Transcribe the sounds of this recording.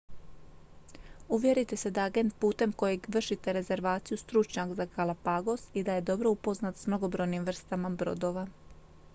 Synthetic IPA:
uʋje̞ɾit̪e̞se̞d̪aaɡe̞nt̪̚puːt̪e̞mko̞je̞ɡʋr̩ʃit̪eɾe̞ze̞ɾʋaːt̪sijust̪ɾut͡ʃɲakzakalˠapaɡo̞sid̪aje̞d̪o̞bɾo̞upo̞znat̪smno̞ɡo̞bɾo̞jnimʋr̩st̪amabɾo̞̰d̪o̞ʋa

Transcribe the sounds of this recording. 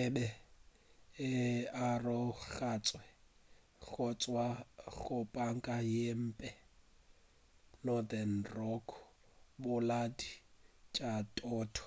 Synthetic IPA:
ɛbɛ | arɔɣat͡sʼwɛ | ɣʊt͡sʼwaɣʊpʼaŋ̩kʼajem̩ːpʼɛ | nɔd̪ɛnrɔkʰɔ | bʊladit͡ʃʼatʼɔːtʰɔ̥

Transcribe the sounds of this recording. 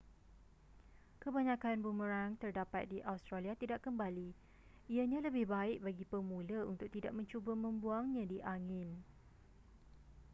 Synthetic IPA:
kəbaɲãkanbuməɾaŋt̪ərdapat̪̚diʔawst̪ɾaliat̪idaʔkəmbali | iaɲãləbɪhbaɪk̚baɡipəmũləunt̪ʊk̚t̪idaʔ̚mə̃ɲt͡ʃubəmə̃mbuaŋɲãdiʔaŋɪ̃n

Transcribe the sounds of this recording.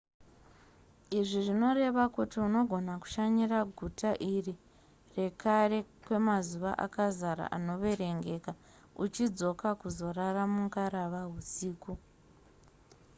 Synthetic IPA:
iʐiʐino̞re̞ʋakutiuno̞ɡʱo̞naku̥ʃaɲiraɡʱutaʔiri | re̞kare̞kwe̞mazuʋa̰ʔa̰kazaɾa̰ʔa̰no̞ʋe̞ɾe̞ŋɡe̞ka | ut͡ʃid͡zo̞kakuzo̞raramuŋkaɾaʋaɦusiːku

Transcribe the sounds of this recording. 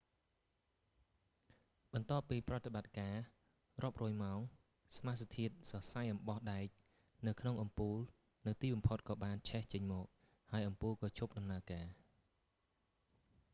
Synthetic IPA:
ɓɑnt̪ŏəpːiːprot̪eɓat̪̚kaː | rŏəp̚rɔːjmaɔŋ | smast̪ʰiət̪̚sɑsajʔɑmɓɑhɗaɛc̚ | nɨwkʰnoŋʔɑmpuːl | nɨwt̪iːɓɑmpʰot̪̚kɑːɓaːnt͡ɕʰɛht͡ɕəɲmɔːk̚ | haəjʔɑmpuːlkɑːt͡ɕʰup̚ɗɑmnaəkaː

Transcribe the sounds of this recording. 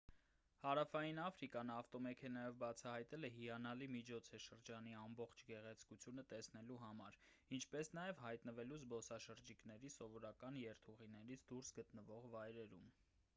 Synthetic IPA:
hɑɾɑfɑjinɑfɾikɑnɑft̪ɔmɛkʰɛnɑjɔvbɑt͡sʰɑɦɑjt̪ɛlɛɦiɑnɑlimit͡ʃʰɔt͡sʰɛʃəɾd͡ʒɑniɑmbɔχt͡ʃʰɡɛʁɛt͡sʰkut͡sʰjunət̪ɛsnɛluɦɑmɑɾ | int͡ʃʰpɛsn̪ɑjɛvhɑjt̪nəvɛluzbɔsɑʃəɾd͡ʒiknɛɾisɔvɔɾɑkɑnjɛɾt̪ʰuʁinɛɾit͡sʰd̪uɾsɡət̪nəvɔʁvɑjɾɛɾum

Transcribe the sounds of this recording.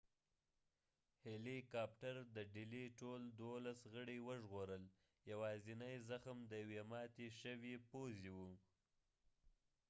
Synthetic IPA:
helikɑpʈaɾd̪əɖɪliʈold̪olasɣəɽiwəʒɣoɾəl | jawɑzinajzaxmd̪əjawemɑt̪iʃəwipoziwu

